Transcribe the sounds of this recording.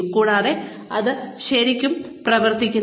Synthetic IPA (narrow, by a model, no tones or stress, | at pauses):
kuːɽaːðe̞ | ɐðɨɕɐɾikʲːum | prɐʋɐrt̪ikʲːun